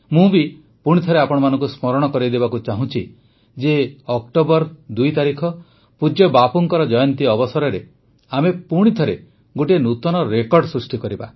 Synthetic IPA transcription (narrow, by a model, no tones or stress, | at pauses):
mũbi | puɽ̃it̪ʰɔɾeapɔɽ̃ɔmanɔ̃ŋkusmɔɾɔɽ̃ɔkɔɾid̪ebakut͡ʃaɦũt͡ʃʰi | d͡ʒeɔkʈobɔɾd̪ujt̪aɾikʰɔ | pud͡ʒɔbapuŋkɔɾɔd͡ʒɔjɔnt̪iɔbɔsɔɾɔɾe | amepuɽ̃it̪ʰɔɾe | ɡoʈienut̪ɔnɔɾekɔɾɖsɾusʈikɔɾiba̰